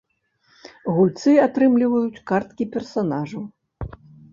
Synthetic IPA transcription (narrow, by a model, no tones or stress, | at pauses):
ɣulʲt̪sɨat̪ɾɨmlʲivɐjut͡sʲkart̪̚kʲipʲɛrsanaʐɐw